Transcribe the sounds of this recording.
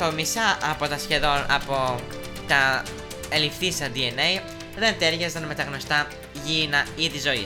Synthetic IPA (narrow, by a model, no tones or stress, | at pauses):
t̪omisɐʔɐpo̞t̪ɐsçe̞ðo̞nɐ̰po̞ | t̪ɐ | elifθisɐd̪ienej | ðe̞nt̪e̞ɾʝɐzt̪ɐnme̞t̪ɐɣno̞st̪ɐ | ʝinɐiðizo̞ḭ